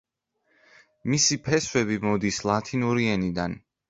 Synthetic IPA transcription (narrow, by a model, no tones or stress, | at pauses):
misipʰɛswɛβimɔd̪islˠat̪ʰinuɾiɛnid̪an